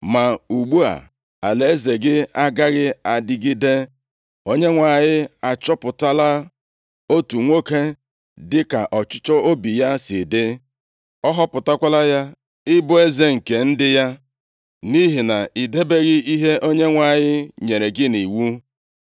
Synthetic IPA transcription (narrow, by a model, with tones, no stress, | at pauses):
ma˨u˨ɡ͡bu˦a̰˨ | a̰˨le˦ze˨ɡɪ˦a˦ɡa˦ɣɪ˦a˨dɪ˦ɡɪ˦de˦ | o˦ɲe˦ŋʷa˨ɲɪ˦a˨t͡ʃɔ˦pʊ˨ta˦la˦ | o˦tu˨ŋʷo˦ke˦ | dɪ˦ka˨ʔɔ˨t͡ʃʊ˦t͡ʃɔ˦ʔo˦bi˨ja˦sɪ˨de˦ | ɔ˦ɦɔ˦pʊ˨ta˦kʷa˦la˦ja˦ | ɪ˦bʊ˦e˦ze˦ŋ̩˨ke˨n̩˦dɪ˦ja˦ | ni˦ɦi˨na˨i˨de˦be˦ɣɪ˦i˦ɦe˦ʔo˦ɲe˦ŋʷa˨ɲɪ˦ɲe˨ɾe˨ɡɪ˦ni˨wu˦